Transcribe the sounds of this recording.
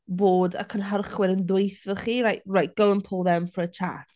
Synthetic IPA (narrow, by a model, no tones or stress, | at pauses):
boːdə̰kʰənɦərχwɪɾənðwejθəχiːɾajtrajt̚ɡ̥owənpʰʊlˠðɛmfət͡ʃʰa̰tʰ